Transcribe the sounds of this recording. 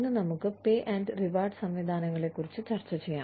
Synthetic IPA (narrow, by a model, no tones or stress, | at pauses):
nːɨnɐmukːɨpeːʔɐnɖɨriʋaːrɖsɐmʋid̪ʱaːnɐŋːɐɭe̞kːurit͡ɕːɨt͡ɕɐrt͡ɕːɐt͡ɕejːa̰ː